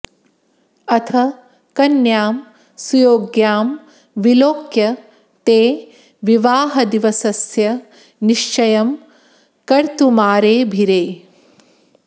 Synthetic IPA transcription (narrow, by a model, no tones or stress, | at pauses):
ɐt̪ʰɐ | kɐnjaːm | sujoːɡjaːm | ʋiloːkjɐ | t̪eː | ʋiʋaːɦɐd̪iʋɐsɐsjɐ | niʃt͡ʃɐjɐm | kɐɾt̪umaːɾeːbʱiɾeː